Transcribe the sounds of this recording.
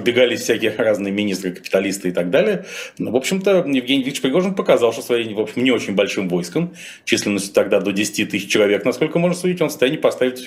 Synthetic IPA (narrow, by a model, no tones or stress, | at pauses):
bʲɪɡalʲɪsʲfsʲækʲɪjəraznɨjəmʲɪnʲist̪ɾɨkə̥pʲɪ̥t̪ɐlʲist̪ɨɪt̪ɐɡ̚d̪alʲɪjənvo̞pɕɪmt̪əjɪvɡʲenʲivʲikət͡ɕpɾʲɪɡo̞ʐənpəkɐzɑlˠʂt̪osvɐjejʲvo̞pɕɪmnʲɪo̞t͡ɕɪnʲbɐlʲʂɨmvo̞jskəm | t͡ɕisʲlʲɪnːəsʲtʲʊ̥t̪ɐɡd̪ad̪o̞dʲɪsʲɪ̥tʲit̪ɨsʲɪt͡ɕt͡ɕːɪlˠɐvʲe̞knɐsko̞lʲkəmo̞ʐnsʊdʲitʲo̞nsə̥t̪ajɛnʲːɪpɐst̪avʲɪt̪